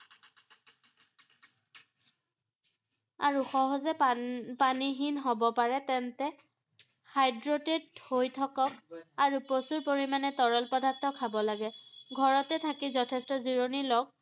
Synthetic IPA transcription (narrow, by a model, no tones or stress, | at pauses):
a̰ɹuxɔɦɔzɛpaniɦinɦɔbɔpaɹɛtɛntɛ | hajdɹɔtedhojtʰɔkɔk̚aɹuposuɹpoɹimanɛtɔɹɔlpɔdaɹtʰːɔkʰːabɔlaɡɛɡʱɔɹɔtɛtʰakizɔtʰɛstɔziɹonilɔɡ̚